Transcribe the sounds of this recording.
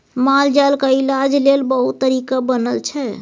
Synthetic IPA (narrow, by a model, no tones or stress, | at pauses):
mald͡ʒalkailad͡ʒlelbəɦut̪ːəɾikabənəlt͡ʃʰɛ